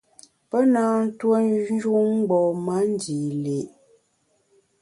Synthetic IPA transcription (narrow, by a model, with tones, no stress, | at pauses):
pə˦naː˦n̩˦two˦n˦ʒu˦ŋ̩˦ɡ͡bɔ˨ma˦n˦di˨le˨ʔ